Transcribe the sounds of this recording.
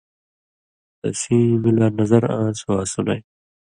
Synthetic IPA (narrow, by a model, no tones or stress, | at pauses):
t̪ɐ̰sĩːmilaːnɐzɐɾãːsuwaːsunaj